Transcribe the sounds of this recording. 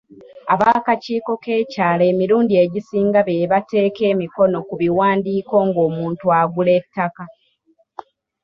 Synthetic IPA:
aβakaciːko̞ke̞ːcaːle̞ːmiɾuːndie̞ɟisiːŋɡaβeβate̞ːke̞ːmiko̞no̞kuβiwaːndiːko̞ːŋɡo̞ːmuːntuaɡule̞tːaka

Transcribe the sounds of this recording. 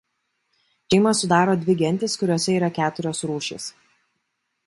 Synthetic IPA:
ʃʲɛɪmɐsʊd̪ɑːɾoːd̪ʲʋʲɪɡʲɛnʲt̪ʲɪskʊɾʲoːsʲɛiːɾɐkʲæːt̪ʊɾʲoːsɾuːʃʲḛːs

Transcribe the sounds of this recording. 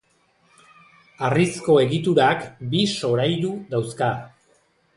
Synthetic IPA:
arisko̞e̞ɣit̪uɾakbiso̞ɾajðuðawska

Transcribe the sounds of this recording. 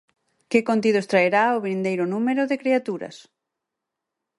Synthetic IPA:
kɪkont̪ið̞ost̪ɾaeɾaoβɾind̪ejɾʊnumeɾʊðekɾiat̪uɾɐ̰s

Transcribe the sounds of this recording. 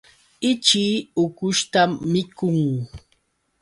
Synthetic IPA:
ɪt͡ʃiːʊkʊʃt̪amːɪkʊŋ

